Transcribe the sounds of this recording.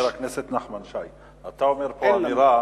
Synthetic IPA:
ɾakneset̪naχmanʃaj | at̪aomeɾpoaniɾa

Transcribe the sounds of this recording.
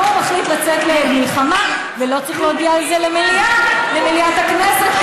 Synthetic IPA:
omaχlit̪lat͡seklemilχama | velo̞t͡saʁiχleod̪iaːlzelemelialemeliat̪hakneset

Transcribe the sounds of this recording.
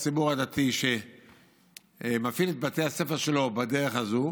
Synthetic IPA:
sibuʁad̪at̪iʃe̞ | mafilet̪̚bat̪ease̞feʁʃe̞lo̞badeʁeχazu

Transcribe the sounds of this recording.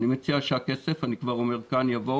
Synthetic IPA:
nimet͡siaʃakesefanikvaʁo̞me̞ʁkanjavo̞

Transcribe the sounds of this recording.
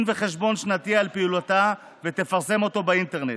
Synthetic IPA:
nve̞χe̞ʃbo̞nʃnat̪ialpiulot̪a | vet̪e̞faʁse̞mo̞t̪o̞baint̪eʁnet

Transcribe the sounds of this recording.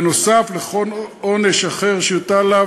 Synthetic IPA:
no̞safleχo̞loneʃaχeʁʃejot̪ala

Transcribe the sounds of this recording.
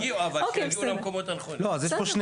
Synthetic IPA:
avalokɛnulamkomot̪anaχonloazjeʃʃpoʃne

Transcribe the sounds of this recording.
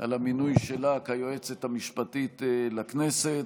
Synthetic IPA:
ʔa̰laminujʃelakajoet͡sethamiʃpatit̪lakneset

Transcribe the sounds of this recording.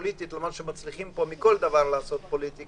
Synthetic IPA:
lit̪it̪lamanʃemat͡sliχimpo̞mikold̪avaʁlaːso̞t̪̚po̞lit̪i

